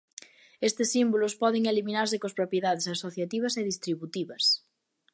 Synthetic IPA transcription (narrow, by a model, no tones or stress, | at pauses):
est̪esːimbulospɔð̞eŋelimĩnaɾsekospɾopjeðað̞esasoθjat̪iβ̞aseðist̪ɾiβut̪iβɐs